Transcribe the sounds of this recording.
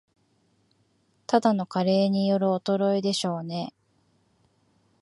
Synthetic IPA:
t̪ad̪ano̞kaɾe̞ːɲ̟ijo̞ɾɯ̟ot̪o̞ɾo̞id̪e̞ɕo̞ːne̞

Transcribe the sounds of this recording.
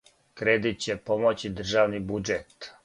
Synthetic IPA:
kɾed̪it̪̚t͡ɕepomot͡ɕid̪r̩ʒaːʋnibud͡ʒet̪

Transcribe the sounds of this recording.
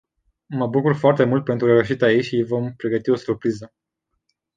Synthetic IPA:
məbukurfoart̪e̞mult̪̚pent̪ɾueuʃit̪ait͡ʃʲijvo̞mpɾe̞ɡət̪io̞surpɾizə

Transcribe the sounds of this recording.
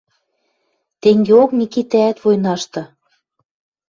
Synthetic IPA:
t̪eŋɡeoknʲikit̪æːt̪vojnɑʃt̪ɤ̆

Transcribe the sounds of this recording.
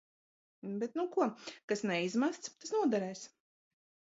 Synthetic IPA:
bet̪̚nukuɔkasnɛizmast̪st̪asnuɔd̪ɛɾɛjs

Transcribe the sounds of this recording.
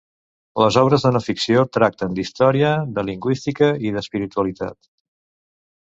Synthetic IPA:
ləzɔβ̞ɾəzðənəfiksiot̪ɾak̚t̪ənd̪ist̪ɔɾiəd̪əliŋɡwist̪ikəiðəspiɾit̪uəlit̪a̰t̪

